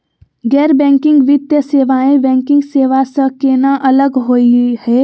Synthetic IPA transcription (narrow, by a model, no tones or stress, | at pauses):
ɡɛːɾbɛ̃ːŋkɪ̃ŋɡʋɪt̪jəseːʋaːẽbɛ̃ːŋkɪ̃ŋɡseːʋasəkeːnaʔɐləɡɦoːihɛː